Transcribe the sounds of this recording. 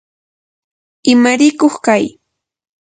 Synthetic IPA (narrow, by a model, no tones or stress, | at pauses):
ɪmaɾɪkoχkaj